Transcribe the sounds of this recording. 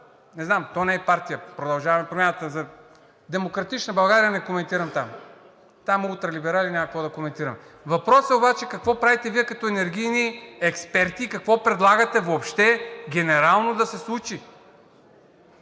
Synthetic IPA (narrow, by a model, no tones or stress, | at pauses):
nɛznamt̪ɔnɛpaɾt̪ijəpɾod̪ɐlˠʒavɐmɛpɾomʲjanət̪əzɐ | d̪ɛmokɾɐt̪it͡ʃnəbɐlˠɡaɾijənɛkomɛnt̪iɾɐmt̪am | t̪amulˠt̪ɾɐlibɛɾalʲinʲakɐkvɔd̪ɐkomɛnt̪iɾɐmɛ | vɐpɾɔsɛobat͡ʃɛkɐkvɔpɾavit̪ɛviɛkɐt̪ɔɛnɛɾɡʲijniɛkspɛɾt̪iːkɐkvɔpɾɛd̪lˠaɡət̪ɛvoːpʃt̪ɛɡʲɛnɛɾalˠnod̪ɐsɛslˠut͡ʃi